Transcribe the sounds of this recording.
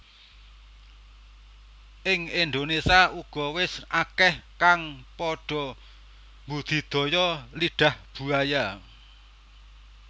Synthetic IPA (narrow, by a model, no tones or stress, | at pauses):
ʔɪŋɪnd̪onesaʔuɡ̥ɔwɪsʔakɛhkaŋpɔɖ̥ɔ̤ | mbud̪̥i̤d̪̥ɔ̤jɔliɖ̥a̤hb̥ṳaja